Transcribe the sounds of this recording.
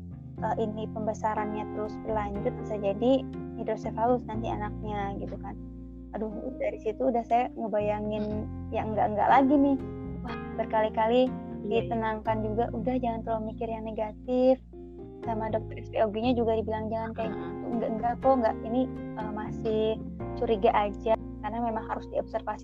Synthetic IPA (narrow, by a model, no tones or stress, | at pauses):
ʔəːʔinipəmbəsaɾanɲat̪əɾʊsbərlaɲd͡ʒʊt̪̚sajad͡ʒadiidosɛfalʊsnant̪ianak̚ɲaɡit̪ukan | adʊhdaɾisit̪uːdahsajaŋəbajaŋɪnjaŋəŋɡa̰ʔəŋɡa̰ʔlaɡinɪhwahbərkalikalidit̪ənaŋkand͡ʒuɡaʔudahd͡ʒaŋant̪əlomikɪrjaŋneɡat̪ɪf | samadɔk̚t̪ɔrɛspeoɡiɲad͡ʒuɡadibilaŋd͡ʒaŋankajŋɡaʔəŋɡakoŋɡaʔiniəmasɪhsuɾiɡaʔad͡ʒa | karnamemaŋɦaɾʊsdiɔbsərfasi̥